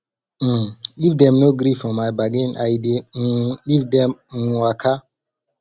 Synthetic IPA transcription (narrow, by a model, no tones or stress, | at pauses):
livdɛ̃mnoɡɾifɔ̃majbaɡĩnʔajdelivdɛ̃mwakʰa